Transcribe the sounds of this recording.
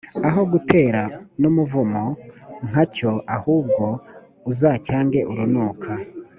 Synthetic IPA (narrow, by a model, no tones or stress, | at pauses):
aɦo̞ɡutʰe̞ːɾanumuvumoŋ̥haco̞ʔahuːb̚ɡo̞ | uzacaːŋɡe̞ʔuɾunuːkʰa